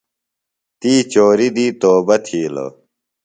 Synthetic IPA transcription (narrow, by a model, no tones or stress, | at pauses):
t̪iːt͡ɕoːɾid̪iːt̪oːbɐt̪ʰiːlo̰